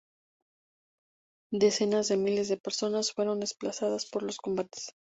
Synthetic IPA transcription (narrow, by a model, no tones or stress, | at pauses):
d̪e̞se̞nazðe̞mile̞zðe̞pe̞ɾso̞nasfwe̞ɾo̞nd̪e̞splasaðaspo̞ɾlo̞sko̞mbat̪e̥s